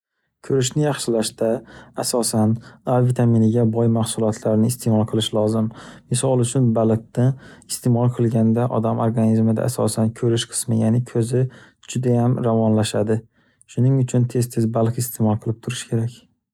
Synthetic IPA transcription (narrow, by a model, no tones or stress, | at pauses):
kʲʰɵɾɪʃnɪjɑχʃɪlaʃd̪aasɒsanavit̪ʰaminɪɡʲabɒjmahsʊlˠɒt̪ʰlaɾɪnɪːst̪ʰe̞mɒlˠqʰɨlˠɪʃlˠɒzɪmmɪsɒlˠʊt͡ʃʰʊnbalˠɨq̚t̪aɪst̪ʰe̞mɒlˠqʰɨlˠɡʲand̪aʔɒ̰d̪amʔoɾɡanizmɪd̪a̰ːsɒ̰sankʲʰɵɾɪʃqʰɨ̥smɪjanɪkʲʰɵzɪ | d͡ʒʊd̪ajamɾavɒnlaʃad̪ɪ | ʃʊnɪŋʊt͡ʃʰʊnt̪ʰe̞st̪ʰɪzbalˠqɪst̪ʰemɒlˠqʰɨlˠɪp̚t̪ʰʊɾɪʃkʲʰe̞ɾakʲ